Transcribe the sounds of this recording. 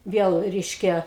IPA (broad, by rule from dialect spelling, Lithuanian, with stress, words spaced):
ˈʋʲiɛlˠ ˈrʲɛɪʃʲkʲɛ